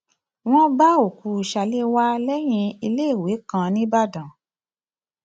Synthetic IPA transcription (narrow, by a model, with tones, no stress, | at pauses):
w̃ɔ̃˦ba˦o˨ku˧i˨ʃa˧le˦wa˦lɛ˦j̃ĩ˧i˧le˦i˦˨we˨˦kã˧nĩ˦ba˦˨dã˨